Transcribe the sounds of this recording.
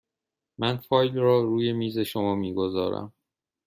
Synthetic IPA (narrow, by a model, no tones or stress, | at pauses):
mʔænfɒːjlrɒːɾuːje̞miːze̞ʃomɒːmiːɡozɒ̰ːɾæ̰m